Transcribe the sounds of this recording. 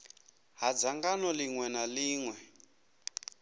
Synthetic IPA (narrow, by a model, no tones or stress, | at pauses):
ɦad͡zaŋɡanɔliŋwɛnaliːŋwɛ